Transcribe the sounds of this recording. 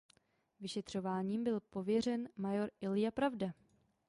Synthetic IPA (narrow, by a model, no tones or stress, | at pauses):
vɪʃɛt̪r̝̥o̞vaːɲiːmbɪlpo̞vjɛr̝ɛnmajo̞ɾɪlɪjapɾavda